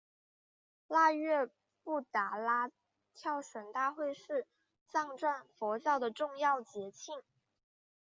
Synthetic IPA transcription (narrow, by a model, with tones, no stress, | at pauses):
la˥˧ɥɛ˥˧ | pu˥˩t̪a˨˩la˥ | t̪ʰjɑ˥˩ʊʂə˧˥nt̪a˥˧xwe˥˧ɪʂɻ̩˥˩ | t͡sɑ˥˧ŋʈ͡ʂwa˥˩nfɔ˧˥t͡ɕjɑ˥˩ʊd̪ə˩ʈ͡ʂʊ˥˧ŋjɑ˥˩ʊt͡ɕjɛ˧˥t͡ɕʰi˥˩ŋ